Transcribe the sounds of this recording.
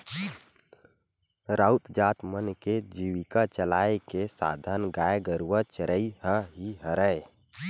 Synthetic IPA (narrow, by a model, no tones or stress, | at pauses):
ɾaut̪d͡ʒat̪mənked͡ʒiʋikat͡ʃəlaekesa̰d̪ʱənɡaeɡəɾuʋət͡ʃəɾəihəɦiɦəɾəj